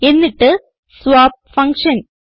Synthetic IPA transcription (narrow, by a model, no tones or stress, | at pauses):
ɛnːɪʈːɯ | sʋaːp̚fɐŋkʂɐn